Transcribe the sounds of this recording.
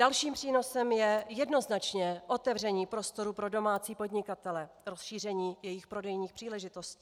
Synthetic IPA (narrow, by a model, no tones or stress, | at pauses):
dalʃiːmpr̥iːno̞sɛmjɛjɛdno̞znat͡ʃɲɛʔo̞t̪ɛvr̝ɛɲiːpɾo̞st̪o̞ɾupɾo̞do̞maːt͡siːpo̞dɲɪkat̪ɛlɛ | ɾo̞sʃiːr̝ɛɲiːjɛjɪxpɾo̞dɛjɲiːxpr̥iːlɛʒɪt̪o̞sciː